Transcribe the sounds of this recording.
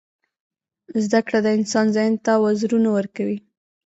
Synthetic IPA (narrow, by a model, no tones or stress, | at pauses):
zd̪akɽad̪əɪnsɑnzɑjnt̪awazɾunawəɾkawi